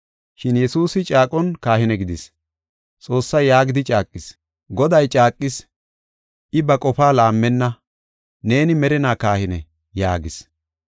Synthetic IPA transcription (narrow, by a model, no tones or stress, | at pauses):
ʃɪnjɛsuːsɪt͡ʃʼaːkʼɔnkaːhɪnɛɡɪd̪ɪs | t͡sʼo̞ːsːɐjːaːɡɪd̪ɪt͡ʃʼaːkʼːɪs | ɡɔd̪ɐjt͡ʃʼaːkʼːɪs | ʔɪbɐkʼɔfaːlaːmːɛnːɐ | ne̞ːnɪmɛɾɛnaːkaːhɪnɛ | jaːɡɪs